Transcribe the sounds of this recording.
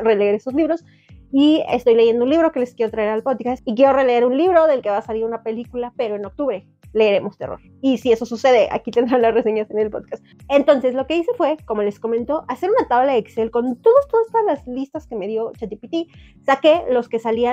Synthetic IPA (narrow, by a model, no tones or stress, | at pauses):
re̞leeɾe̞so̞zliβɾo̞s | iḛst̪o̞jle̞ʝe̞nd̪ounliβɾo̞ke̞le̞skjeot̪ɾaeɾalpo̞ðkast̪ik̬jeo̞re̞le̞eɾunliβɾo̞ðe̞lkeβaːsaliɾunape̞likulape̞ɾo̞eno̞k̚t̪uβɾe̞ | le̞ɾe̞mo̞st̪e̞̰ro̰ɾ | isie̞sosuse̞ðe̞ʔa̰kit̪end̪ɾanlazrese̞ɲase̞ne̞lpo̞̰ðkast̪ent̪o̞nse̞slo̞ke̞ise̞fwe̞ko̞mo̞le̞skomẽnt̪o̞ʔase̞ɾunat̪aβlaekselko̞nt̪o̞ðost̪o̞ðast̪oðazlazlist̪askeme̞ðjo̞t͡ʃet̪ipit̪isake̞lo̞ske̞salia